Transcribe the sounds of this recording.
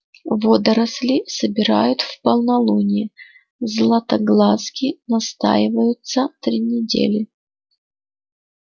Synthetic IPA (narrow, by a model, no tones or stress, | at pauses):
vod̪əɾɐslʲɪsəbʲɪɾajʊt̪fpəlˠnɐlˠunʲɪ | zlˠɐt̪ɐɡlˠaskʲinɐst̪a̰jɪvəjʊt̪sət̪ɾʲinʲɪdʲḛlʲɪ